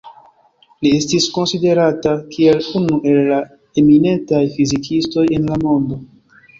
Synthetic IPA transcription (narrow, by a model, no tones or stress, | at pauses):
lie̞stisko̞nside̞ɾatakie̞lunuʔe̞lːa | emine̞ntajfizikʰisto̞je̞nlamo̞ndo̞